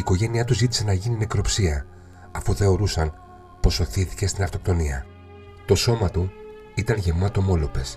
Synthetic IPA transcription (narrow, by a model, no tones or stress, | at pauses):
iːko̞ʝe̞niɐt̪uzit̪i̥se̞nɐʝinimekɾo̞psiɐː | fuθe̞o̞ɾusɐn | po̞so̞θiθi̥ce̞st̪inɐft̪o̞p̚t̪o̞niɐ | t̪o̞so̞mɐt̪u | it̪ɐnʝe̞vmɐt̪o̞mo̞lo̞pe̞s